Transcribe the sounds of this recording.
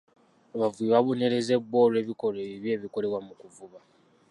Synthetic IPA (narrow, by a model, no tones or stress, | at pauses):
aβavuiβaβone̞ɾeze̞bwo̞ːɾe̞βiko̞leβiβje̞ːβiko̞le̞βwamukuvuβa